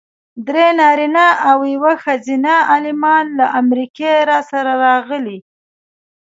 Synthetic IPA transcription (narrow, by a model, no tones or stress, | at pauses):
d̪ɾenɑɾinaʔawjawəxazinaɑlɪmɑnlaʔamɾikeɾɑsaɾaɾɑɣəli